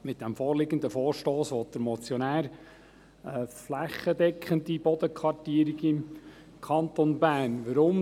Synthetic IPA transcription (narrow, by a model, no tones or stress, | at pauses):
mɪt̪̚d̥ɛmfɔːrlɪɡənd̪əfɔːɾʃtoːsʋɔt̚d̥̪əɾmɔt͡sjɔnæːɾ | ɛflæχːədɛkχənd̪ib̥ɔd̪əkʰʋɑrtiəɾiɡɪm | kʰɑnt̪onbæːnʋəɾʊm